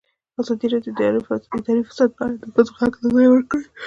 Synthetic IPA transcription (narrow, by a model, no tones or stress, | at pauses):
azɑd̪iɾɑd̪jod̪ɾɪd̪ɑɾifḁsad̪̚bɑjad̪ːəbazoxakt̪azɑjwəɾkəɽi